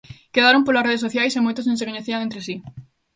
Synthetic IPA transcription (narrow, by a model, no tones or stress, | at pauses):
keðaɾõmpolasreð̞esoθjajsemojt̪oznõŋsekoɲeθiaŋent̪ɾesi